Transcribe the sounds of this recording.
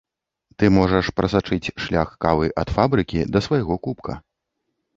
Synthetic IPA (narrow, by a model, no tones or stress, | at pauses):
t̪ɨmɔʐɐʂpɾʔɐsat͡ʂɨt͡sʲʂlʲaxkavɨʔɐt̪fabɾɨkʲid̪ɐsvajaɣɔkupkɐ̰